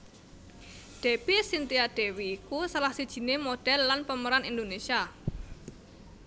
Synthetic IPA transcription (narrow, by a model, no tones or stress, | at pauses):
ɖ̥e̤pisint̪iaɖ̥ɛ̤wiːkusalahsid̥ʒ̥i̤nemoɖ̥ɛlːanpəməɾanind̪onesia